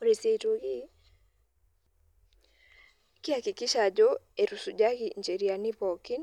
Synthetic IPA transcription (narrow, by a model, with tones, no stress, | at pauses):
oɾe˨se˨to˨ɣi˦ | ki˦a˨ki˨ki˦ʃa˨ɟɔ˦e˨ɾu˨su˨ɟa˦ɣi˨ɲd͡ʒe˨ɾia˨ni˦βɔki˦n